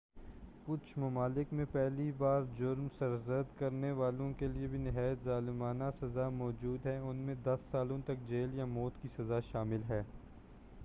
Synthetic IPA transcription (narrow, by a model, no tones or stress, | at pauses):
kʊt͡ʃʰmɐmaːlɪkmẽpɛɦlibaːɾd͡ʒʊɾmsɐɾzəd̪kɐɾneʋaːlõkeliebʱinɪɦaːjət̪zaːlɪmaːnasɐzamɔːd͡ʒuːd̪ɦɛʊnmẽd̪ɐsːaːlõt̪ɐk̚d͡ʒeːljamɔːt̪kisɐzaʃaːmɪlɦɛː